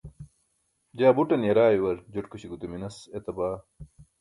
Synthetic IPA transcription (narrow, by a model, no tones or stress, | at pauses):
d͡ʑaːbuʈɐnjɐɾaːjiwɐɾd͡ʑuʈkuɕiɡut̪uminɐset̪ɐbaː